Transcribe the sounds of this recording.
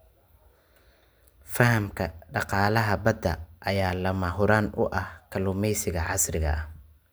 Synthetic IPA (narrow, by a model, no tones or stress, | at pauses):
fɐhɐmkʰɐɖɑqɑːlɐɦɐbɐd̪ɐ̰ʔɐjaːlɐmɐɦʊɾaːnʊ̰ʔɐhkʰɐlʊmɛjsɪɣɐʕɑsrɪɣɐ̰ɐ